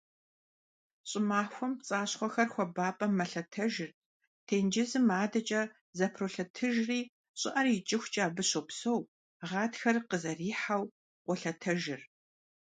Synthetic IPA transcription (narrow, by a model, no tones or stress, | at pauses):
ɕʼɪmaːxʷɔmt͡sʼaːɕχʷɔxɐrxʷɔbaːpʼɐmɐɬɐtʰɐʒɪr | tʰeːnd͡ʒɪzɨmaːdɐt͡ʃʼɐ | zɐpʰroːɬɐtʰɨʒriː | ɕʼɪʔɐrɪt͡ʃʼɪxʷt͡ʃʼaːbɨɕopsow | ʁɑːtxɐrqəzɐriːħaw | qʷɔɬɐtʰɐʒɪr